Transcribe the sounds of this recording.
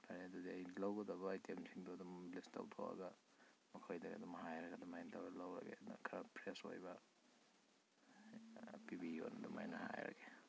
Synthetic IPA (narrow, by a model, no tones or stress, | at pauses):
tʰajnedudiajlawɡɐdɐβɐːjtʰemsʰiŋduɐdɔmlistʰa̰wtʰa̰wɐ̰ɡɐ | mɐkʰojdɐɡɐ̰dɔmhajɾɐɡɐdumajntʰawlawɾɐ̰kḛkʰɐɾɐpʰɾeso̰jbɐ | pibio̰nɐduma̰jnɐhajɾɐ̰kʰe̥